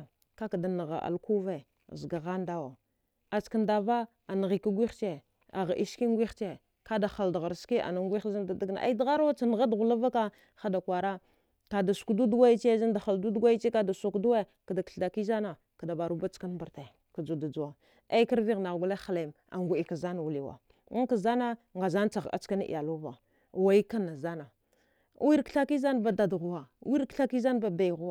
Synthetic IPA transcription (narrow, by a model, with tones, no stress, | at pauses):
ka˦ka˨da˨na˨ɣa̰˨ʔa̰˨lku˦ve˨ | zɡa˨ɣa˦n˦da˦wa˨ | a˨t͡ʃka˦nda˨va˦ | a˨n˨ɣi˨ka˦ɡʷi˦xt͡ʃe˦ | a˨ɣa˨ʔi˦ski˦ŋ˦ɡʷi˦xt͡ʃe˦ | ka˦da˨xa˨ldɣa˨ɾski˦ʔa̰˨na˨ŋ˦ɡʷi˦za˦nda˨da˦ɡna̰˨ʔa˦i˦dɣa˦ɾwa˦t͡sa˨n˨ɣa˦dɣu˨la˦va˦ka˦ | xa˨da˨kʷa˨ɾa˦ | ka˨da˨su̥˨kdu˦dɡwa˦i˦t͡ʃe˦za˦nda˨xa˨ldu˦dɡʷa˦i˦t͡ʃe˦ka˦da˨su˨kdu˦we˦˨ | ka˨da˨kɬa˨ki˦za˦na˨ | ka˨da˨ba˨ɾu˦ba˦t͡ʃka˦n˦mba˨ɾta˨ | ka˨d͡ʒu˨da˨d͡ʒu˨wa˨ | a˦ka˦ɾvi˦ɣna˨ɡʷu˦la˦xa˨la˨m | a̰˨ŋɡʷu˨i˨ka˨za˦na˨wu˨li˦wa̰˨˦ | ŋka˨za˦na˦ | ŋɡa˨za˦n˦t͡sa˨ɣa̰˨t͡ʃa˦n˦ḭ˨ja˨lu˦va˨ | wa˨ji˦ka˦nːa˨za˦na˨˦ | wi˦ɾkɬa˦ki˦za˦n˨ba˨da˨dɣu˨wa˨˦wi˦ɾkɬa˦ki˦za˦n˦ba˨ba˨jɣu˦a˦˨